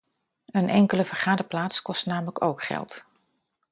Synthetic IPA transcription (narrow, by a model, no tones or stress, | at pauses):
ənʔɛŋkələv̥əɹχaːdəplaːtskɔstnaːmələko̰wkχɛ̰lˠt